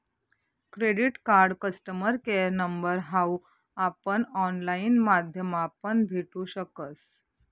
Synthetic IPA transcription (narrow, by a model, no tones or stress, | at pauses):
kɾeɽiʈkaɾɽkəsʈəməɾkeɾnəmbəɾɦau | apəɳɔnlainmad̪ʱjəmapəɳbʱiʈũːɕəkət͡s